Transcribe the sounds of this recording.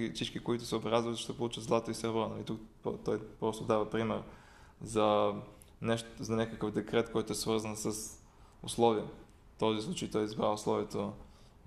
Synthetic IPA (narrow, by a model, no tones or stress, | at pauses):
ifsit͡ʃkikoit̪ʊsɛʊbɾazvət̪ʃt̪ɛpolˠut͡ʃət̪zlˠat̪oisɛɾvɾɔnɐlit̪ukpt̪ɔjpɾɔst̪ʊd̪avɐpɾimɛɾ | zɐ | nɛʃt̪zɐnʲakəkəvd̪ɛkɾɛt̪kɔjt̪ʊɛsvɤɾzənsəs | ʊ̰slˠɔviə | t̪ɔzislˠut͡ʃəjt̪ɔjizbɾaʊslˠɔviɛt̪o